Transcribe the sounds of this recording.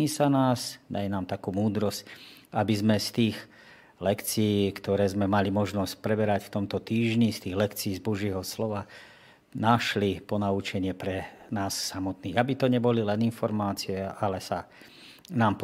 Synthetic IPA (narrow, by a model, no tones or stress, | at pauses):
iːsanaːsd̪ajɛnaːmt̪akuːmuːd̪ɾɔscabizmɛst̪iːɣ | lɛkt͡siːkt̪ɔɾɛːzmɛmalimɔʒnɔsc̚pɾɛbɛɾacft̪ɔmt̪ɔt̪iːʒɲist̪iːɣlɛkt͡siːzbɔʒɪɛɦɔslɔʋa | naʃlipɔnaut͡ʃɛɲɪɛpɾɛ | naːsːamɔt̪niːɣabit̪ɔɲɛbɔlilɛninfɔɾmaːt͡siɛalɛsa | naːmp